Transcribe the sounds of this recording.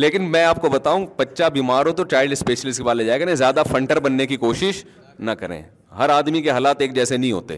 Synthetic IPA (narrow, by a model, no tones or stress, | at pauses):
leːkɪnmɛ̃ːaːp̚kobɐt̪aːũːpɐtːʃabiːmaːɾõt̪̬ot͡ʃaːɪɖɪspeːʃəlɪsʈkebaːled͡ʒaːekɐɾẽːzjaːd̪afʰɐ̃ɳʈəɾbɐnːekikoːʃɪʃ | nɐkɐɾḛ̃ː | ɦɐɾaːd̪mikeɦaːlaːt̪eːk̚d͡ʒɛːsenɐɦĩɦo̰ːt̪ḛː